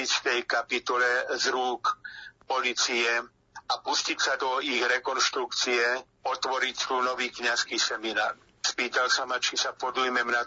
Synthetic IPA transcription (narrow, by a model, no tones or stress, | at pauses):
ist̪ɛjkapit̪ɔlɛzɾuːkpɔlit͡siɛ | apuscicsad̪ɔiɣɾɛkɔnʃt̪ɾukt͡siɛ | ɔt̪ʋɔɾict̪uːnɔʋiːkɲaskisɛmina̰ːɾ | spiːt̪alsamat͡ʃisapɔd̪ujmɛmna